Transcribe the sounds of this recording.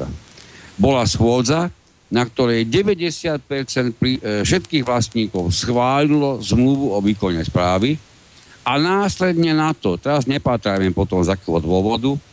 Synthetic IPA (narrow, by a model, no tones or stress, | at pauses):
a̰bɔlasxʊɔd͡za | nak̚t̪ɔɾɛjɟɛʋɛɟɛsɪat̪̚pɛɾt͡sɛnt̪̚plifʃɛt̪kiːɣʋlast̪ɲiːkɔʊsxʋaːlilɔzmluʋuɔʋiːkɔɲɛspɾaːʋi | anaːslɛd̪ɲɛnat̪ɔt̪ɛɾazɲɛpaːt̪ɾaːmɛpɔt̪ɔmzakɛːɦɔd̪ʊɔʋɔd̪u